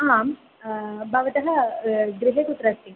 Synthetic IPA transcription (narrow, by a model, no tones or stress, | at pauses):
am | bʱɐʋɐt̪ɐɦɐɡɾiɦekut̪ɾɐst̪i